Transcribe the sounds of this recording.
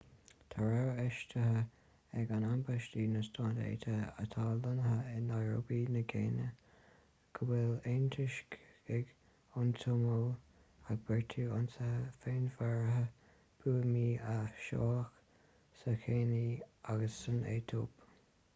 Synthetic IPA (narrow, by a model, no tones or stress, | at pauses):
t̪ʰaɹɛɹɛʃtəɦə | ɛɡanambaʃtiːnəstʰɑːdḛːt̪ʰəə̰t̪ʰaːlənəɦəɪnaɹo̰biːnəɡeːnə | kʰəwɛlentʰɪʃkɛɡ | ʊntʰʊmow | aɡ̚bɛɹtʰuʊnsəhəfeːnvɛɹəɦə | b̥uːəmiːaʃɔ̰ːx | səkʰeːniaɡəsːənḛːt̪ʰo̰ːp